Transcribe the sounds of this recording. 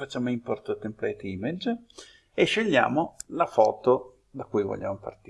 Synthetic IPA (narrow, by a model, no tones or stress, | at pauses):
fat͡ʃːaːmoimport̪ot̪emplɛt̪iːmed͡ʒ | eʃːeʎːja̰ːmolafɔːt̪o | d̪akujvo̰ʎːʔa̰mopa̰rt̪ː